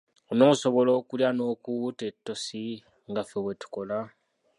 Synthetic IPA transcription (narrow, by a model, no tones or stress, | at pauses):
ono̞ːso̞βo̞lo̞ːkuljano̞ːkutetːo̞si | ŋɡafe̞βwe̞tu̥ko̞la